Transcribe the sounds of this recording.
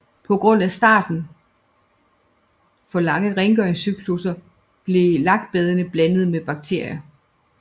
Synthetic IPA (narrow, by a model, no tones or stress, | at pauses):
pʰɒ̽ɡ̥ʁɔ̽n̰æsd̥ɑ̰̈ːd̥n̩ | fɒ̽lɑ̈ŋəʁeŋɡ̥œɐŋsyɡ̥ʰlusɐ | b̥le̝lɑ̈ɡ̥̚d̥̚b̥eð̞ˠənəb̥lænð̞̩ˠmeb̥ɑ̈ɡ̥̚t͡sʰe̝ɐ̰jɐ